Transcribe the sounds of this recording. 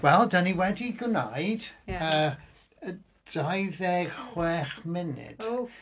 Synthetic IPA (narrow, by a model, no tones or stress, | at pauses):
wɛlˠdaniwɛdiɡnajd̥əː | ə | d̥ajðɛ̥χwɛːχmɪnɪ̰d̥